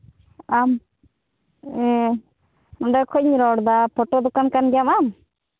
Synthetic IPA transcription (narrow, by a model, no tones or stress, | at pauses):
am | e | nɔɳɖakʰɔɲiɾɔɽd̪apʰɔʈod̪ukankanɡamam